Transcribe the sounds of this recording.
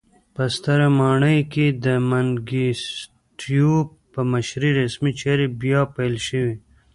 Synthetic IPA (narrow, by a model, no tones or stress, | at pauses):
pəst̪əɾamɑːɳəjked̪əmanɡis | ʈju | pəmaʃɾiɾasmit͡ʃeɾibjɑpalʃəwi